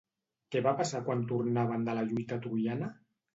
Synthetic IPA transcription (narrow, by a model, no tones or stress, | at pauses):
kɛβapasakwant̪urnaβ̞ənd̪əlaʎujt̪at̪ɾujanə